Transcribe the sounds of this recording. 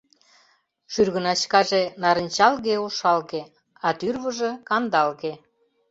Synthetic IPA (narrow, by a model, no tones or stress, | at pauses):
ʃyrɣə̆nɑt͡ɕkɑʒenɑɾə̆nʲt͡ɕɑlɣeoʃɑlɣe | ɑt̪yrβə̆ʒĕkɑnd̪ɑlɣe